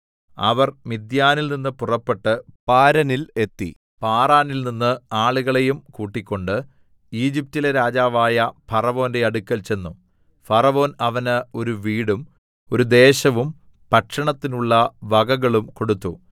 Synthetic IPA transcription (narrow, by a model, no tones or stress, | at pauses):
ɐ̰ʋɐrmid̪jaːnilninːɨpurɐpːe̞ʈːɨpaːɾɐnile̞t̪ːḭ | paːraːnilninːɨaːɭuɣɐɭe̞jumkuːʈːikʲːo̞ɳɖɨ | iːd͡ʑip̚tileɾaːd͡ʑaːʋaːjɐfɐrɐʋo̞ːnde̞ɐɽukʲːɐlt͡ɕe̞nːu | fɐrɐʋo̞ːnɐʋɐnɨo̞ɾuʋiːɽum | o̞ɾud̪e̞ːɕɐʋum | pɐʈʂɐɳɐt̪ːinuɭːɐʋɐɡɐɣɐɭumko̞ɽut̪ːu